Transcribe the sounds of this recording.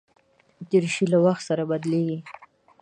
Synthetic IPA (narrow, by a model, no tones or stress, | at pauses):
d͡ʒiɾʃilawaxt̪saɾabad̪leɡi